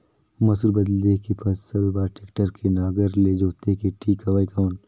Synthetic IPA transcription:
mɐsɾbɐd̪lekipʰɐsəlbaːʈɪkʈəɾkʰenaːɡəɾled͡ʒoːt̪ekiʈʰiːkɐʋaikawn

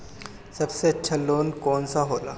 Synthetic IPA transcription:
səbseətːɕʰaloːnkonsaɦola̰

